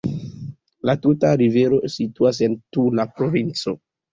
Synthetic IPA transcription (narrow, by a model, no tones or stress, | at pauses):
latutaɾiveɾo̞situas̬e̞ntulapɾo̞vint͡so̞